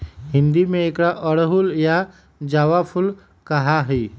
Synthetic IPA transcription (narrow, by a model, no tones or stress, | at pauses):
ɦɪ̃nd̪imẽeːkɽaʔəɽɦulja | d͡ʒaːʋapʰʊl | kəɦaɦiː